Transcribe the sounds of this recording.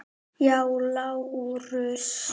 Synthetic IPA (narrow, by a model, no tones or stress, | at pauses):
jaulaurøs